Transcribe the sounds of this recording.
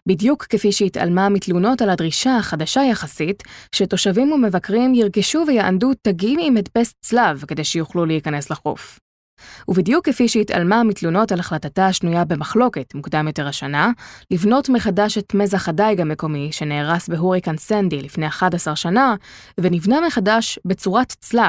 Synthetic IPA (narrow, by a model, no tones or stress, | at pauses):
bidjukːefiʃeita̰lmamitluno̞taladʁiʃaːχadaʃajaχasitʃeto̞ʃavimumevakʁimjiʁɡiʃuvejaʔa̰ndutaɡimimedpest͡slavke̞d̪e̞jʃejuχlulejikane̞slaχo̰f | ubid̪jukːefiʃeita̰lmamitluno̞talaχlatataːʃnujabe̞maχlo̞ke̞tmukd̪amjo̞te̞ʁaʃanalivno̞tmeχadaʃetmezaχadajɡameko̞miʃe̞neːʁasbeɦuʁikansendilifne̞jaχadasaʁʃana | venivnameχadaʃbet͡suʁatt͡slav